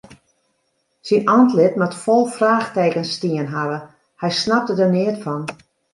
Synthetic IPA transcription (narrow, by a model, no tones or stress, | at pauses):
sinɔntlɪtmatfɔlˠfraːxteːkənstiənɦavə | hɛjsnap̚tədərnɪətfɔn